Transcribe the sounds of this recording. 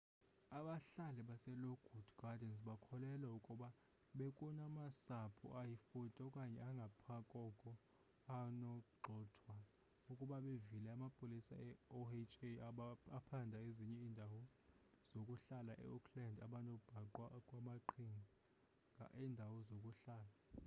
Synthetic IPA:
aɓaɬalɛɓasɛloɡ̥ʱudɡ̥adɛns̬ɓakʰɔlɛlaukʼuɓa | ɓekʼunamasapʰṵʔajifutʼɔkʼaɲɛaŋɡʱapʰakʼɔkʼɔ | anɔǃʱɔːtʰwa | ukʼuɓaɓevilɛamapʼolisa̰ɛoet͡ʃʼeaaapʰandʱaeziɲɛiːndʱawɔ | z̥okʼuɬalaʔɛ̰ukʰlandʱaɓanɔb̥ʱaǃwakʼwamaǃʰiŋi | ŋɡʱa̰ʔiːndʱawɔzokʼuɬaːla

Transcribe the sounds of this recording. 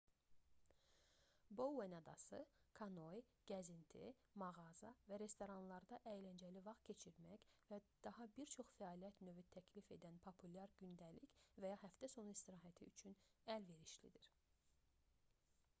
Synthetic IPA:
bowːenɑd̪ɑsɯkʰɑno̞j | ɟ̥æzint̪ʰḭmɑɣɑzɑvæɾe̞st̪o̞ɾɑnlˠɑɾd̪ɑʔæjlænd͡ʒælivɑχt̪̚cʰe̞t͡ʃʰiɾmæçvæd̪̥ɑɦɑbiɾt͡ʃʰo̞χfæɑːlijæt̪nøvyt̪ʰæcʰlife̞d̪ænpʰopʰulʲɑɾɟynd̪ælicvæjɑhæft̪æso̞nuist̪iɾɑːɦæt̪ʰiyt͡ʃʰynælve̞ɾiʃlḭd̪iɾ̥

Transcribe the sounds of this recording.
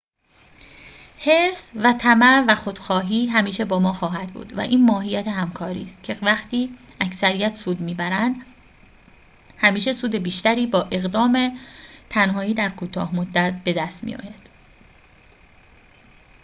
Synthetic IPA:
he̞ɾsvæt̪ʰæmævæxod̪̥xɒːɦiːɦæmiːʃe̞bɒːmɒːxɒːɦæd̪̥bṵːd̪væ̰ʔiːnmɒːɦijæt̪ʰeɦæmkʰɒːɾḭːst̪cʰe̞væxt̪iː | æcsæɾijæt̪ʰsuːd̪miːbæɾænd̪ | hæmiːʃe̞suːd̪e̞biːʃt̪æɾiːbɒːʔe̞ɣd̪ɒːmet̪ʰænɦɒːiːd̪æɾkʰuːt̪ʰɒ̰ːhmod̪ːæt̪̚be̞d̪æst̪mḭjɒ̰ːjæd̪̥

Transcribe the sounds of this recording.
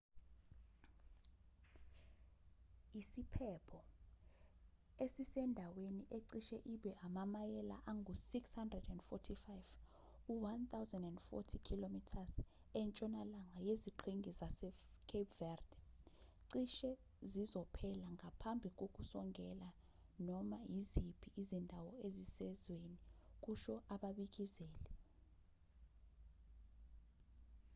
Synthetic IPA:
isipʰɛpʰɔ | esisɛndʱaweniʔeǀiʃɛʔiɓɛʔamamajɛla̰ʔaŋɡʱusikshandrɛdɛndfɔtʰifajv | uwant̪awzɛndɛndfɔ̰tʰikʰilomitʰaz | ɛnt͡ʃʼɔnalaŋajeziǃʰiŋɡʱizasɛkʰepvɛrd̥ɛǀiʃɛ | zizɔpʰɛlaŋʱapʰambʱik̬ok̬ʼusɔŋʱɛla | nɔmajizipʰiʔːzindʱawɔezisɛzwenik̬ʼuʃɔʔaɓaɓik̬ʼizɛːlɛ

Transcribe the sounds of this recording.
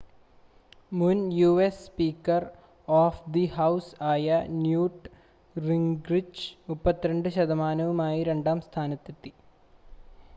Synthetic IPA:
munjuːesːpiːkːɐr | oːfd̪iɦɐwsaːjɐnjuːʈ | riŋɡrit͡ɕmupːɐt̪ːiɾɐɳɖɨɕɐd̪ɐmaːnɐʋumaːjiɾe̞ɳɖaːmst̪ʰaːnɐt̪ːet̪ːi̥

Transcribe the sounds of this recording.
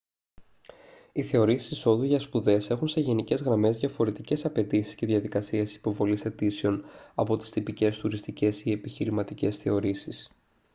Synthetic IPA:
iθe̞o̞ɾisi̥siso̞ðuʝɐspuðe̞se̞xunse̞ʝe̞nice̞zɣɾɐme̞zðʝɐfo̞ɾe̞t̪ice̞sɐpe̞t̪isi̥sce̞ðʝɐðikɐsiesi̥po̞vo̞lise̞t̪iseo̞nɐpo̞t̪i̥st̪ipice̞st̪uɾist̪ice̞sie̞piçiɾimɐt̪ice̞sθe̞o̞ɾisis

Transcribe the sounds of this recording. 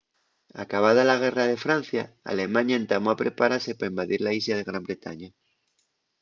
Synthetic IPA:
a̰kaβ̞að̞alaɣ̞e̞rað̞e̞fɾan̟θjaa̰lemãɲaent̪amoapɾepaɾasepaembaðiɾlaislað̞eɣ̞ɾambɾe̞t̪a̰ɲa

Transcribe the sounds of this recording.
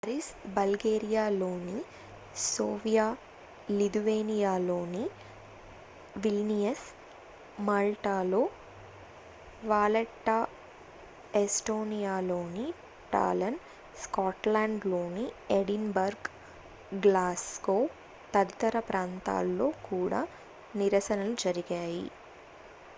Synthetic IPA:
ɐɾisbɐlɡeːɾijaːlo̞ːni | soːʋijaː | lid̪uʋeːnijaːlo̞ːni | ʋilnijɐs | maːlʈaːloː | ʋaːleʈːaː | esʈo̞ːnijaːlo̞ːni | ʈa̰ːlɐn | skaːʈlaːɳɖlo̞ːnieɽinbɐɾɡ | ɡlaːskoː | t̪ɐd̪t̪ɐɾɐpɾaːnt̪a̰ːlːo̞ːkuːɽa̰ː | niɾɐsɐnɐlud͡ʒɐɾiɡaːjḭ

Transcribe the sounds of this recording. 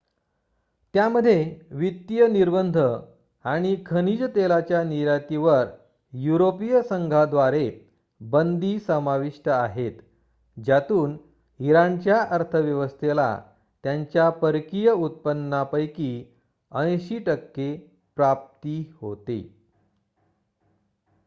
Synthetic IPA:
t̪jaməd̪ʱːjeʋit̪ːjəniɾbənd̪ʱə | aɽ̃ikʰənid͡ʑt̪elat͡ɕjaniɾat̪iʋəɾ | juɾopijəsəŋɡʱad̪ʋaɾe | bənd̪isəmaʋiʂʈəaɦet̪ | d͡ʑat̪uːn | iɾant͡ɕjaʔəɾt̪ʰəʋjəʋəst̪ʰela̰ | t̪jaɲt͡ɕjapəɾkijəut̪̚pənːapəjki | ə̃ɕiːʈəkːe | pɾap̚t̪iho̰t̪ḛ

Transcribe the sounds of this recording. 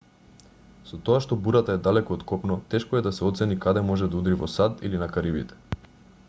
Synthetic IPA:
sɔt̪oaʃt̪ɔbuɾat̪aɛd̪alɛkoːt̪kɔpnɔt̪ɛʃkɔɛd̪asɛɔt̪sɛnikad̪ɛmɔʒɛd̪aud̪ɾivɔsad̪ilinakaɾibit̪ɛ̥

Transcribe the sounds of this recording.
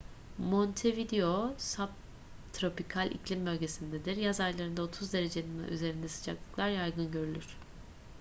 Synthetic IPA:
mont̪ʰevid̪eo̞sap̚ | t̪ʰɾo̞pikʰalʲʔḭclʲimbø̞lʲɟe̞sind̪ed̪iɾjazaɾlˠaɾɯnd̪ao̞t̪ʰuzd̪e̞ɾe̞d͡ʒelʲin̰y̰ze̞ɾind̪ɛsɯ̥d͡ʒaklˠɯ̥klˠaɾjajɡɯnɟø̞ɾylʲyɾ̥

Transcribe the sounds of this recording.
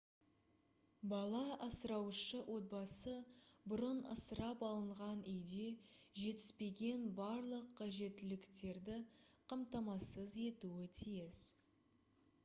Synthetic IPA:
bɑlˠɑɑsəɾɑwʃəwʔo̞t̪̚bɑsəbʊɾənə̰səɾɑpɑlˠəɴʁɑnʏjd̪e̞ʒe̞t̪ɪ̥spe̞ɡʲe̞nbɑɾlˠəqʰːɑʒe̞t̪ːɪlɪkt̪e̞ɾd̪ɪqʰɑmt̪ɑmɑsəze̞t̪uwɪt̪ʰijɪs

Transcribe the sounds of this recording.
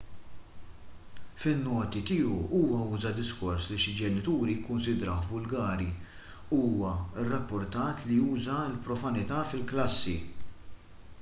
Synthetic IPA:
fɪnːɔːt̪it̪iːuuːwɐuːzɐd̪ɪskɔɾsliʃɪd͡ʒɛnɪt̪uːɾijɪkːʊnsɪd̪ɾɐħvʊlɡɐːɾi | uːwɐɪrːɐpːʊɾt̪ɐːt̪lijuːzɐɪlpɾɔfɐnɪt̪ɐfɪlklɐsːḭ

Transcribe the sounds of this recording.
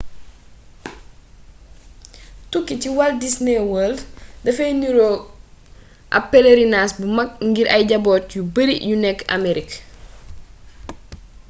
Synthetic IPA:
tukːiciwɐldisneːwəːldɐfɐjniɾoː | ʔɐ̰pːeleɾinaːsbumɐk̚ŋɡiɾʔɐjɟɐbɔːtjubɐɾḭjunɛka̰meɾik

